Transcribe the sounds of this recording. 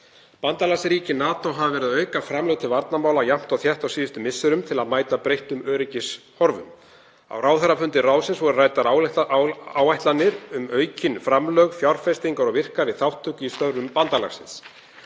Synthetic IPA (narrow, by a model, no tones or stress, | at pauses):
pant̪alasɾiːcɪnaːt̪owɦavavɛːɾɪðœːɥkafɾamlœɣt̪ʰɪlvaɾt̪namaːwlawjam̥t̪ɔwθjɛht̪awsiːðɪst̪ʏmɪsːʏɾʏmt̪ʰɪlaðmaːjt̪apɾejht̪ʏmœːɾɪcɪs | hɔɾvʏ̰m | a̰wraːwθɛɾafʏnt̪ɪraːwsɪnsvɔɾʏraːjt̪aɾ | awajht̪lanːɪɾʏmœːɥcɪnfɾamlœɣfjawɾ̥fɛst̪iŋkaɾɔɣvɪr̥kaɾɪθawht̪ʰːʏcist̪œɾvʏmpant̪ala̰xsɪ̰ns